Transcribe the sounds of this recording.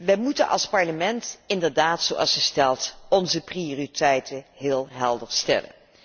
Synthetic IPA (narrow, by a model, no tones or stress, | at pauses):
ʋɛjmutənʔɑ̰lˠspɑɹləmɛntɪndəɹdaːtsowʔɑ̰lˠsxəstɛlˠtɔnzəprioːritɛjtʰənɦɪːlˠɦɛlˠdəɹstɛ̰lə̰n